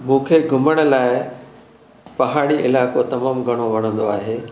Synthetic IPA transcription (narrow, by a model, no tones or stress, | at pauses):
mũːkʰeɡʱʊməɽ̃ə̆laːɪ | pɐɦaːɽ̃iʔɪlaːkot̪ɐmaːmɡʱɐɽ̃oʋɐɽ̤̃ə̃nd̪oaːɦeː